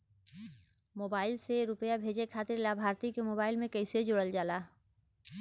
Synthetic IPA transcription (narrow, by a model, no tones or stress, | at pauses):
moːbaːɪlseɾʊpəjabʱeːd͡ʒekʰaːt̪ɪɾlabʱaːɾt̪ikemoːbaːɪlmẽkəɪsed͡ʒoɽəld͡ʒaːlaː